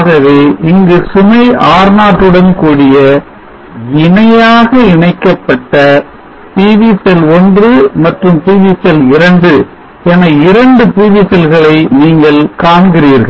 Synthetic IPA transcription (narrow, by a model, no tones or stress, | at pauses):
ɣɐʋeːʔɪŋɡɯsʊmɐɪʔaːɾnaːʈːɯɽɐnkuːɽɪjɐ | ɪɳɐjaːɣɐɪɳɐɪkːɐpːɐʈːɐ | piːʋisɛlɔndrɯmɐʈrɯmt̪iːʋiːsɛlɪɾɐɳɖɯ | ɛnɐɪɾɐɳɖɯpiːʋisɐlɣɐɭɐɪniːŋɡɐɭkaːɳɡɪɾiːɾɣɐɭ